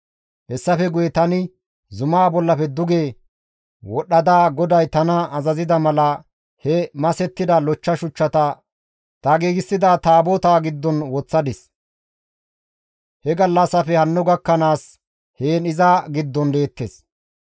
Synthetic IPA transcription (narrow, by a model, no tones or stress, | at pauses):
hɛsːɐfɛɡʊjɛt̪ɐnɪ | zʊmaːbɔlːɐfɛd̪ʊɡeː | wɔɗːɐd̪aːɡɔd̪ɐjt̪ɐnɐɐzɐzɪd̪ɐmɐlɐ | hɛmɐsɛt̪ːɪd̪ɐlɔt͡ʃːɐʃʊt͡ʃːɐt̪ɐ | t̪ɐɡeːɡɪsːɪd̪aːt̪aːboːt̪aːɡɪd̪ːɔnwɔt͡sːɐd̪ɪs | hɛɡɐlːɐsɐfɛhɐnːʊɡɐkːɐnaːs | heːnɪzaːɡɪd̪ːɔnle̞ːt̪ːeːs